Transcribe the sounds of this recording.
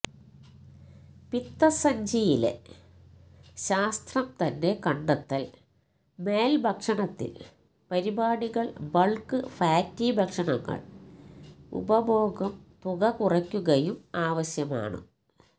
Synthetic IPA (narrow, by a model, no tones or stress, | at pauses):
pit̪ːɐsɐɲd͡ʑijilḛ | ɕaːst̪rɐmt̪ɐnːe̞kɐɳɖɐt̪ːɐl | me̞ːlbʱɐkʂɐɳɐt̪ːḭl | pɐɾibaːɽiɣɐɭbɐɭkɨfaːtːibʱɐkʂɐɳɐŋːɐ̰ɭ | ṵbɐbo̞ːɡɐmt̪uɣɐkurɐkʲːuɣɐjumaːʋɐɕjɐma̰ːɳɨ̰